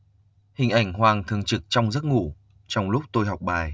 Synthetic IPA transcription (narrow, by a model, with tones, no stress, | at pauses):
hï˨˩ŋ̟ʔa˧˩jŋ̟ɦwaː˨˩ŋt̪ʰɨ˨˩əŋt͡ɕɨ˨˩k̚t͡ɕɔ˧wŋ͡mzə˦˥t̚ŋu˧˩ | t͡ɕɔ˧wŋ͡mlʊ˦˥k͡p̚t̪o˧jɦa˨˩wk͡p̚ɓaː˨˩j